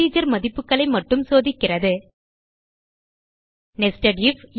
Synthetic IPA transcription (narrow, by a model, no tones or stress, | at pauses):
iːd͡ʒɐɾmɐðɪpːɯkːɐɭɐɪmɐʈːɯmsoːðɪkːɪrɐðɯ | nɛsʈɐɖif